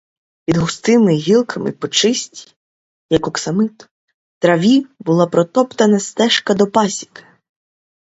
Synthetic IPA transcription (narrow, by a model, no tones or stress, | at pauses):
pʲid̪ɦʊst̪ɪmɪɦʲilˠkʰɐmɪ̰pɔt͡ʃɪsʲtʲi̥ | jɐkɔksɐmɪt̪ | t̪ɾɐʋʲibʊlˠɑpɾɔt̪ɔpt̪ɐnɐst̪ɛʃkɐd̪ɔpɑsʲi̥k